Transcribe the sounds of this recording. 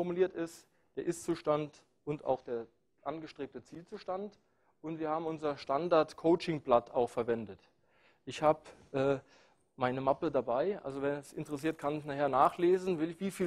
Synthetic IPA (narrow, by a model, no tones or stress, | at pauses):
ɔɐmuliːɐtɪst | d̥eːɐʔɪst͡suːʃtant | ʊnta̰ʊxd̥eːɐ | ʔanɡəʃtʁ̥eːp̚tət͡siːlt͡suːʃtant | ʔʊntv̥iːɐhaːbm̩ʊnzɐʃtandaɐtkʰoʊt͡ʃɪŋblata̰ʊxfɛɐvɛndət | ʔɪçhaːbʔɛː | maɪnəmapədabaɪʔa̰lzovɛnɛsɪ̰ntəʁɛs̬iːɐt̚kʰançnaχheːɐnaːχleːzn̩vɪlɪçv̥iːfiː